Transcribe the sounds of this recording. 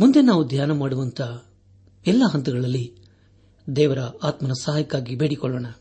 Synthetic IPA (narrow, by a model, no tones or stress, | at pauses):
mund̪e̞naːʋud̪ʱjaːnɐmaːɽuʋɐnt̪ʰɐ | ɛlːɐɦɐnt̪ɐɡɐɭɐlːi | d̪ɛːʋɐɾɐaːt̪mɐnɐsaɦaːjɐkːaːɡibeːɽikɔɭːoːɳɐ